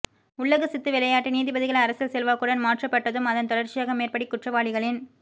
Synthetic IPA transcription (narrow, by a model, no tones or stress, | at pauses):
ʊɭːɐɣɯsɪt̪ːɯʋɪlɐjaːʈːiniːðɪbɐðɪɣɐɭɐɾɐsɪlsɛlʋaːkɯɽɐnmaːʈrɐpːɐʈːɐðɯmɐðɐnt̪ɔɽɐɾt͡ʃɪjaːɣɐmeːrpɐɽikːʊʈrɐʋaːɭɪɣɐɭɪn